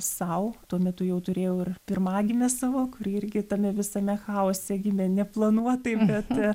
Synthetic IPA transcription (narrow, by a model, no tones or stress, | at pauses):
sɐʊt̪uɔmʲɛt̪ʊjɛʊt̪ʊɾʲeːjoːɪrpʲɪrmɑːɡʲɪmʲɛsɑʋoːkʊɾʲɪɪrʲɡʲɪt̪ɐmʲɛʋʲɪsɐmʲɛxɑːoːsʲɛɡʲɪmʲɛnʲɛplˠɐnuɔt̪ɐɪbʲɛt̪